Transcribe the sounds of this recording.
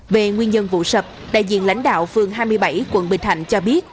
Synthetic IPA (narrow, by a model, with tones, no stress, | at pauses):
ve˨˩ŋwi˧ənɲə˧nvṵ˧˨sə˨˩p̚ɗa̰ː˧˨jzḭ˧˨ənla̰˧˥jŋ̟ɗa̰ː˧˨wfɨ˨˩əŋɦaː˧jmɨ˧əjɓa˧˩jkwə˧˩nɓï˨˩ŋ̟tʰa̰˧˨jŋ̟t͡ɕɔ˧ɓi˦˥ət̚